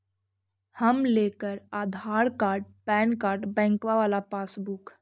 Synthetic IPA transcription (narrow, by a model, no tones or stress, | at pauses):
həmlekəɾaːd̪ʱaːɾkaːɾɖ̚pɛːnkaːɾɖbɛ̃ːŋkʋaʋaːlapaːsbukʰ